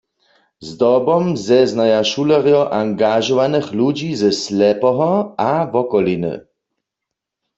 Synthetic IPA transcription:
zd̪ɔbɔmzɛznajaʃulɛʁjɔʔaŋɡaʒɔvanɛxlud͡ʒizɛslɛpɔɦɔavɔkɔlinɨ̰

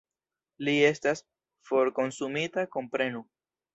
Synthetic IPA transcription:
lie̞stas | fo̞ɾko̞nsumitako̞mpɾe̞nu

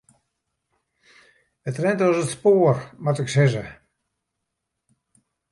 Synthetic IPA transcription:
ətrɛntʋɔsətspoːərmatəksɛzə̰

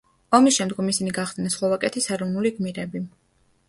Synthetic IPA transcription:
ɔmisʃɛmd̪ɡɔmisiniɡaχd̪nasχlˠɔvakʼɛt̪ʰisɛɾɔvnuliɡmiɾɛbi

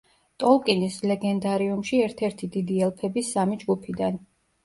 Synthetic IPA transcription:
t̪ʼɔlˠkʼinislɛɡɛnd̪aɾiumʃiɛɾt̪ʰɛɾt̪ʰid̪id̪iɛlˠpʰɛbisːamid͡ʒɡupʰid̪an

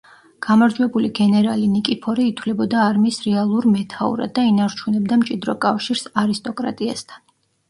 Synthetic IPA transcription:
ɡ̥amaɾd͡ʒwɛbuliɡɛnɛɾalinikʼipʰɔɾɛit̪ʰwlɛbɔd̪aːɾmiːsɾɛalˠuɾmɛt̪ʰaṵɾa̰d̪ːainaɾt͡ʃʰunɛb̚d̪amt͡ʃʼid̪ɾɔkʼafʃiɾsaɾist̪ʼɔkʼɾa̰t̪ʼiast̪ʰan

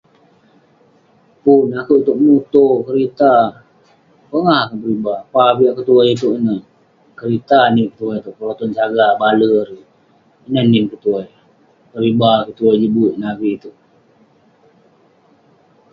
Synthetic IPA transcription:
punakuʔit̪uʔ̚mut̪okəɾit̪a | pəŋahkanpəɾibapapiaʔkət̪uajt̪uʔinə | kəɾit̪animkət̪uajt̪uʔpəɾot̪ɔnt͡ʃaɡabaləɾi | inanimkət̪uaj | pəɾibakət̪uajd͡ʒibuʔnabiːt̪uʔ

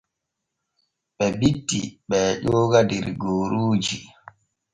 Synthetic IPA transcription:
ɓɛbitːiɓɛʄɔːɡadɛɾɡoːɾuːd͡ʒi

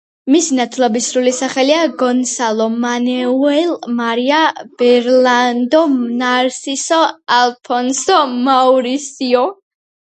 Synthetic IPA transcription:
misinat̪ʰlˠɔbisɾulisaχɛliaɡɔnsalˠɔmanɛuɛlmaɾiab̥ɛɾlˠand̪ɔnaɾsisɔalˠpʰɔnsɔmauɾisiɔ

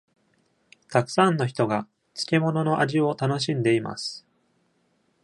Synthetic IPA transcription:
t̪akɯ̥sãnːo̞çi̥t̪o̞ɡa | t͡sɨ̥ke̞mo̞no̞no̞ʔaʑio̞t̪ano̞ɕ̬ĩnd̪e̞ima̰sɨ̥

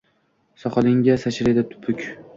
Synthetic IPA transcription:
sɒχɑlɪŋɡʲasaʃɾed̪at̪ʰʊ̥pʰʊkʲ

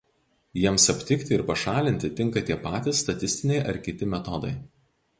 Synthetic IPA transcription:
jiɛmsɐpʲt̪ʲɪkt̪ʲɪɪɾpɐʃɑːlʲɪnʲt̪ʲɪt̪ʲɪŋˑkɐt̪ʲiɛpɑːt̪ʲɪsːt̪ɐt̪ʲɪsʲt̪ʲɪnʲɛɪʔɐɾkʲɪt̪ʲɪmʲɛt̪ɔd̪ɐ̰ɪ

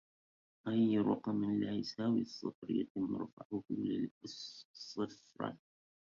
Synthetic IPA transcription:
ʔajːɾʊ̰qɑmənlasawḭsˤːɨ̰fɾja̰t̪ɪmːɨ̰ɾfa̰ʕʊhlː | sˤːɨfɾˤɑ̰

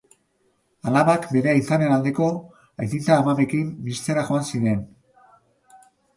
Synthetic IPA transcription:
alaβakbe̞ɾeaisane̞nald̪e̞ko̞ | ajt̪int͡s̪aːmaβe̞kimbist̪e̞ɾaxo̞ansiɾe̞n

